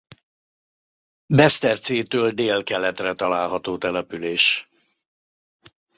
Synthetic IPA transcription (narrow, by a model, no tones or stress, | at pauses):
bɛst̪ɛrt̪siːt̪øːld̪eːlkɛlɛt̪rɛt̪ɒlaːlɦɒt̪oːt̪ɛlɛpyleːʃ